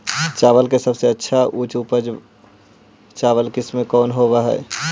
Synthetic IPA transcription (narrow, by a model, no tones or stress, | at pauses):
t͡ʃaːʋəlkesəbseətːʃʰaʔuːt͡ʃupəd͡ʒ | t͡ʃaːʋəlkɪsmẽkɔːnɦoʋaɦɛ̰ː